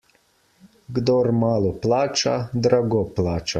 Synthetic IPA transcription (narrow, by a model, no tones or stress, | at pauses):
ɡd̪ɔːɾmaːlɔplaːt͡ʃa̰d̪ɾaɡɔplaːt͡ʃa